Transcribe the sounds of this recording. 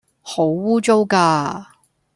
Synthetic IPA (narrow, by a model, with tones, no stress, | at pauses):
ho˨˥wwuː˥t͡so˥wkaː˧